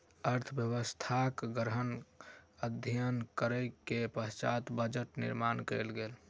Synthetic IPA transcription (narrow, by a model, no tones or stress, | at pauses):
əɾt̪ʰbjəbəst̪ʰakɡɾɦən | əd̪ʱijənkəɾəkepəst͡ʃat̪bəd͡ʒəʈnḭɾmankɛlɡel